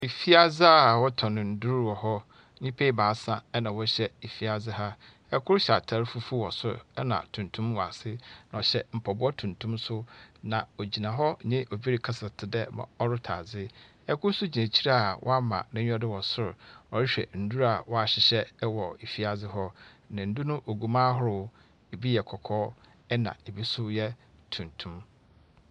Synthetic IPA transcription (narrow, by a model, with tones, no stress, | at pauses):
e˨fi˦a˦d͡zɪ˦a˦˨wɔ˦tʰɔ̃˨nɪ̃˨n̩˦du˦ɾɔ˨ɦɔ˦ | ɲĩ˦pʰe˦i˦baː˨˦sã˦ɛ˦nã˨wɔ˦ɕɛ˦e˨fi˦a˨zɪ˦ɦa˦ | ɛ˦kʰʊ˦ɾɕa̰˨tʰa˨˦ɾfu˦fu˦wɔ˨sʊ̰˦ɾ̰ɛ˦nã̰˨tʰũ˨ntʰũ˦mwa˨sɪ˦n˨ɔ˨ɕɛ˦m̩˨pʰa˨bʊ˦ɔ˦tʰũ˨ntʰũ˦msʊ˦nã˨o˨d͡ʑi˨nã˨ɦɔ˦ɲɪ̃˦ʔo˨bi˦ɾi˦kʰa˦sa˨tʰɪ˨dɛ˦mã̰˨ɔ˦ɾʊ˦tʰa̰˨zɪ˦ | ɛ˦kʰʊ˦sʊ˦d͡ʑi˨nã˨t͡ɕʰi˦ɾa˦a˨wʔɔ̰˦a˦mã̰˨nɪ̃˦ɔ˦dɪ˦wɔ˨sʊ˦ɾʊ˨ɔ˨ɾɪ˦ɕᶣɛ̰˨n̩˨˦du˦ɾa˨wɔ˦a˨ɕɪ˨ɕɛ˦wɔ˨e˨fi˦a˨d͡zɪ˦ɦɔ˦ | nɪ̃˨n̩˦du˦nʊ̃˦ʔo˨ɡu˨mãː˦ɦʊ˦ɾʊ˦ | e˨bi˦jɛ˨kʰɔ˨kʰɔː˦ | ɛ˦nã̰˨e˨bi˦sʊ˦jɛ˦tʰũ˨ntʰũ˦m